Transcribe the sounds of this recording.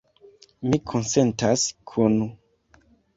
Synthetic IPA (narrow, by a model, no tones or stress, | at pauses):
mikʰonsentaskʰunu